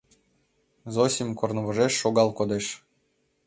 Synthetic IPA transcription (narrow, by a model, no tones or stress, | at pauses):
zosʲimʲkornɤβoʒeʃːoɣɑlˠkod̪eʃ